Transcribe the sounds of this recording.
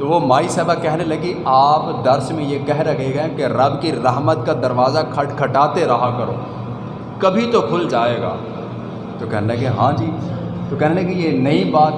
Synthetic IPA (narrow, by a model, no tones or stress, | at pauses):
t̪oʋomaːisaːbakɛɦnelɐɡiaːpd̪ɐɾsmẽjekɛɦɾɐɡeɡaɛ̃keɾɐbkiɾɐɦmət̪̚kad̪ɐɾʋaːzakʰɐʈkʰɐʈaːt̪eɾɐɦakɐɾo̰ː | kɐbʱit̪okʰʊld͡ʒaːeːɡa̰ː | t̪okɛɦnelɐɡeɦãːd͡ʒiːt̪okɛɦnelɐɡejenɐibaːt̪